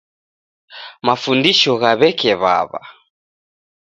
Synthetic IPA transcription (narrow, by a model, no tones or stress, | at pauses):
mafundiʃɔɣaβɛkɛβa̰βa̰